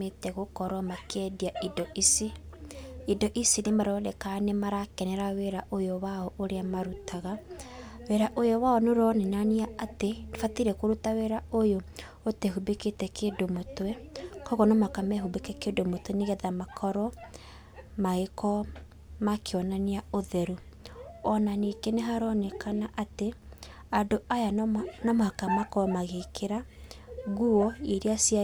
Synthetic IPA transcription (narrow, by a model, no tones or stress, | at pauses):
etɛɣokɔɾwɔmakɛdiaidɔʔisi | idɔʔisinemaɾɔlɛkanemaɾakɛnɛɾaweɾaʔojowaɔʔoɾeamaɾutʰaɣa | weɾaʔojɔwaɔnoɾɔnɛnaniaatedefatiɾɛkoɾutaweɾaojo | otɛɦubeketɛkeːdomotwɛkɔɣɔnɔmakamɛɦubekɛkedomotwɛneɣɛðamakʰɔɾɔ | maɣekɔ | makeɔnaniaoðɛɾu | ɔnanikeneɦaɾɔnɛkanaʔate | adoʔajanɔmakamakɔmaɣekʰeɾa | ɣuɔiɾeasia